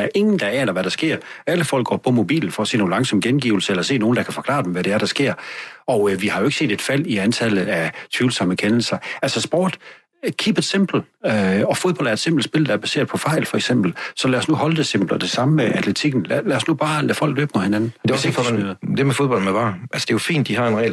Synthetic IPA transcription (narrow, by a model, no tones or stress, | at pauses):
dæɐʔe̝ŋn̩d̥ɑ̈ɛːnɐʋæɾ̥ɑsɡ̥e̝ɐ̰æləfɒl̰ɡ̥ɒ̰ːpʰɒ̽mo̝b̥ḭːln̩fɒɐse̝̰ːno̝ːn̩lɑ̈ŋsɒ̽mɡ̥enɡ̥ḭːʊl̩səelɐse̝̰ːno̝ːn̩d̥ɑ̈kʰæfɒ̽kʰlɑ̰̈ːd̥emʋæɾ̥eæɐɾ̥ɑ̈sɡ̥e̝ɐ̰ɒ̽əʋihɑ̈jo̝eɡ̥se̝̰ːd̥e̝d̥fæl̰iænt͡sʰæləð̩ˠæt͡sʰʋiʊl̩sɑməkʰenl̩sɐælsɐsb̥ɒ̰ːd̥ | kʰib̥ed̥semb̥l̩ | øɒ̽foð̞ˠbɒ̽l̰d̥æɐed̥se̝mb̥l̩d̥sb̥e̝ld̥ɑ̈æɐb̥æse̝̰ɐð̥ˠpʰɒ̽fɑ̈ɪ̰lfɒ̽eɡ̥sem̰b̥l̩sɒ̽læɐsnuhɒ̽ld̥e̝semb̥l̩̥ɒd̥e̝sɑ̈məmeʔæt͡sʰle̝t͡sʰiɡ̥n̩llæɐsnub̥ɑ̈ːlæ̰fɒ̽l̰ɡ̥lø̰ːb̥mohe̝nænn̩d̥esḛmyð̩ˠd̥emefoðˠb̥ɒ̽l̰̩meʋɑ̈ːʔælsəd̥e̝jofḭːnd̥ːihɑ̈enʁɛ̰ɪl